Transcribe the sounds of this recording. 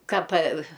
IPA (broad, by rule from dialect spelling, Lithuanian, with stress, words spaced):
ˈkɑː pɐ